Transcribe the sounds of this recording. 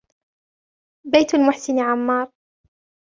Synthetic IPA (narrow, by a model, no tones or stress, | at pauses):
bajt̪almʊħsɪnʕamːɑːɾˤ